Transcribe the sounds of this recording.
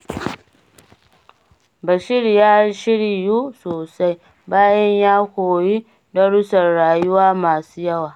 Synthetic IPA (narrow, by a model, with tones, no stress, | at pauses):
bɐ˨ʃɪ˦ɾjaː˦ʃɪ˦ɽi˨juː˦soː˨sa˦j | baː˦jɐ˦ɲjaː˦kʷoː˨ji˦ | dɐ˦ɽʊ˦sɐ˨rɽaː˨ju˦waː˦maː˨suː˦jɐ˦waː˨